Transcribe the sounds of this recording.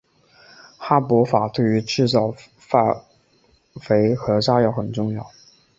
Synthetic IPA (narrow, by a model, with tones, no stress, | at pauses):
xa˥pwɔ˧˥fa˨˩t̪we˥˩ɪy˧˥ʈ͡ʂɻ̩˥˧t͡sɑ˥˩ʊ | fa˥˧˩ | fe˧˥ɪxɤ˧˥ʂa˥jɑ˥˩ʊxə˨˩nʈ͡ʂʊ˥˧ŋjɑ˥˩˨ʊ